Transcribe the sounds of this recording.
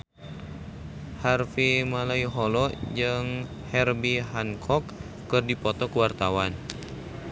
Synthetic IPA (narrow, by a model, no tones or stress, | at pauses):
harfimalaiɦɔlɔd͡ʒɨŋ | hɛrbiɦaŋkʰɔkː | ɨrdipɔt̪ɔkəwart̪awan